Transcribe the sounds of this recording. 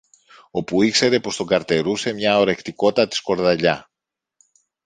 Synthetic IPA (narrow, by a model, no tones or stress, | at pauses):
o̞puikse̞ɾe̞po̞st̪oɡɐɾt̪e̞ɾuse̞mɲɐo̞ɾe̞kt̪iko̞t̪ɐt̪i̥sko̞ɾðɐʎɐ